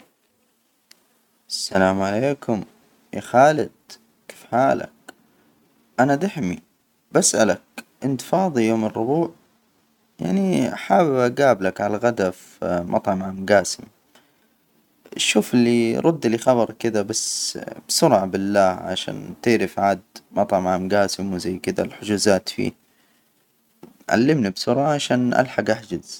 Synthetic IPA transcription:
ʔasːalaːmʕaleːkʰʊm | jʔixaːlɪd̪̚ | ke̥ːfħaːla̰k̚ | ʔanad̪aħmi | basʔalak̚ʔɪnt̪fɑːðˤijoːmɪrːʊbuːʕ | ja̰ʕniħaːbbʔaɡaːblakʕalaɣad̪af | mʔɑ̰t̪ˤʕɑmʕamɡaːsɪm | ʃːuːfɪlːiɾˤʊd̪ːlixɑbɑɾˤkɪd̪abasbsʊɾʕabɪlːaːhʕa̰ʃa̰ːnt̪ɪːɾɪfʕaːd̪mʔɑt̪ˤʕɑmʕaːmɡaːsɪmwɪzajːkɪd̪a̰lħʊd͡ʒuːzaːt̪fḭː | ʕa̰lːɪmnibsʊɾˤʕaʕaʃaːnʔa̰lħaɡʔaħd͡ʒaz̥

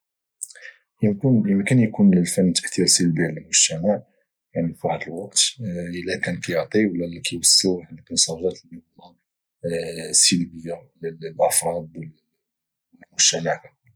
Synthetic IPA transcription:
jəmknjəmkənjkunləlfənːt̪ə̥ʔt̪iɾsəlbjəlmʊʒ̥t̪æmaʕ | jaʕnifwaħd̪əlwɑq̚t̪ʔəlækænkæjəʕt̪ˤiwəlːælækæjwəsːuħalkːənsɑʒæt̪ləmɑ | səlbəjːalællʔəfɾˤɑd̪̚ˤ | mʊʒt̪æmaka

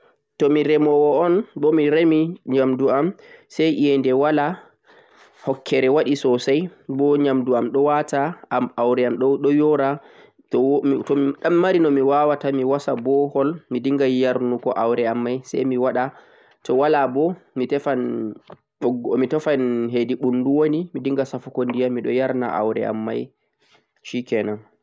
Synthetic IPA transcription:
tɔmiɾɛmɔwɔːnbɔmiɾemiɲamduamsɛjʔijɛndɛwala | hɔkʰːɛɾɛwaɗisɔsajbɔɲamduamɗɔwataamawɾɛamɗɔɗɔjɔɾa | tɔɗamːaɾinɔmiwawatamiwasabɔhɔlmidiŋɡajaɾnukɔʔawɾɛamːajsa̰jmiwaɗa | tɔwalabɔmitɛfan | ɗɔɡɔmitɛfanɦediɓunduwonimidiŋɡasafukondijamiɗɔjaɾna̰ʔa̰wɾɛ̰a̰mːaj | ʃikɛnan

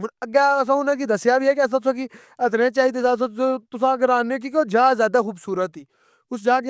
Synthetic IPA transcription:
məɡɛːs̬ãːʊnãːkiːd̪əsjaːbiːɛːkːs̬ãːt̪ʊsãːki | ət̪ɾẽːt͡ʃaːɦiːd̪eːzaːt̪s̬ãːt̪ʊsãːɡəɾaːnːeːk̬iːkoːd͡ʒaːzjaːd̪aːxuːbsuːɾət̪ːiː | ʊsd͡ʒaː

